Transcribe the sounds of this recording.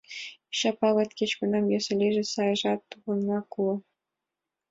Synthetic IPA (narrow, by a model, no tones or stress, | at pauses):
ɕɑpɑlɑ̆t̪ʲkʲet͡ɕkunɑmjɑsɘ̆lʲeʒɘ̆sɑjʐɑt̪ːuʁɤ̆nːɑkuɤ̆